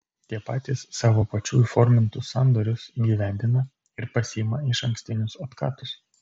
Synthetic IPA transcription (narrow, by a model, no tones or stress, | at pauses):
t̪ʲiɛpɑːt̪ʲɪsːɑːʋoːpɐt͡ʃʲuːjufɔɾʲmʲɪnt̪ʊsɑnd̪ɔːɾʲʊsɡʲiːʋʲænʲd̪ʲɪnɐ | ɪɾpɐsʲijmɐɪʃɐŋkʲsʲt̪ʲɪnʲʊsot̪kɑ̰ːt̪ʊs